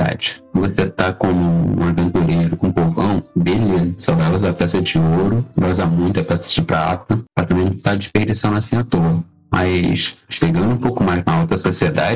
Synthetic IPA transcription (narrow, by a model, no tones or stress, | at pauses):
a̰d͡ʒɪvoset̪akõmʊṵ̃mɐvẽnt̪uleɾɐkõpovɐ̃w̃belezɐsɔvajuzapɛsɐd͡ʒɪoɾʊvauzamũj̃t̪ɐpɛsɐ̥d͡ʒɪpɾat̪ɐpaɾt̪amẽt̪ʊkt̪ad͡ʒɪʃpeɾd͡ʒisɐ̃w̃nɐsĩɐt̪oɐ | mʔɐʃʃeɡɐ̃nd̪ʊũpowkʊmajʃkõɐowt̪ɾɐsosied̪a̰d͡ʒɪ